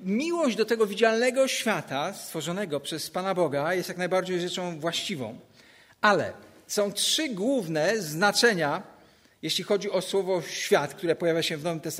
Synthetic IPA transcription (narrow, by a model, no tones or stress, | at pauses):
mʲiwɔʑd͡ʑd̪ɔt̪ɛɡɔvʲid͡ʑalnɛɡɔɕfʲjat̪ast̪fɔʐɔnɛɡɔpʂɛspanabɔɡajɛst̪jaknajbaɾd͡ʑejʐɛt͡ʂɔ̃w̃vwaɕt͡ɕivɔ̰̃w̃ | ʔalɛ̰sɔ̃w̃tʂɘɡwuvnɛznat͡ʂɛɲa | jeɕlʲixɔd͡ʑiɔswɔvɔɕfʲjat̪k̚t̪uɾɛpɔjavʲjaɕɛvnɔvɘmt̪ɛs